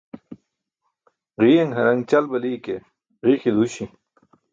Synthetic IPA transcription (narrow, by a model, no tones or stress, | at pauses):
ʁiːjɐŋɦɐɾɐŋt͡ɕɐlbɐliːke | ʁiːxid̪uɕi